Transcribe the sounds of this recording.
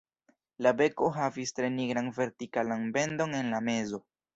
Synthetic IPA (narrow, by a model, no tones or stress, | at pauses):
labe̞ko̞ɦavistɾe̞niɡɾanve̞ɾtikalanbe̞ndo̞ne̞nlame̞zo̞